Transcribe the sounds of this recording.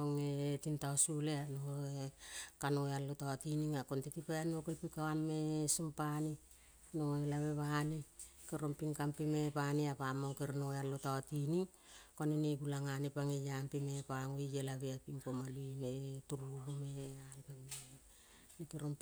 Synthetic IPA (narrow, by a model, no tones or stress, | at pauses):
oŋetintaosuleanoekanoealːotawtiniŋakontitipaanokelpikawanmesimpani | noelaβeβani | keɾompiŋkampimepaniapamawkeɾnoealːotaotini | koninebulaŋanipaŋejampimepaŋoijelaβeapiŋpomaluimetuɾubumealpeme | nikeɾomp